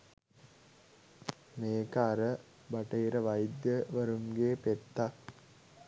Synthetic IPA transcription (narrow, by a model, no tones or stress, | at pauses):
neːkaːɾə | bɐʈɐiɾɐʋɐjd̪jəʋɐɾumɡeːpet̪ːa